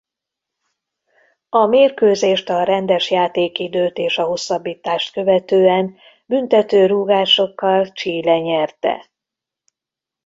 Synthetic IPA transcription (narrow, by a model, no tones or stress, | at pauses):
ɒmeːrkøːzeːʃt̪ɒɾɛnd̪ɛʃjaːt̪eːkid̪øːt̪eːʃɒɦo̞sːɒbːiːt̪aːʃt̪kø̞vɛt̪øːɛn | bynt̪ɛt̪øːɾuːɡaːʃo̞kːɒlt͡ʃiːlɛɲɛrt̪ɛ̰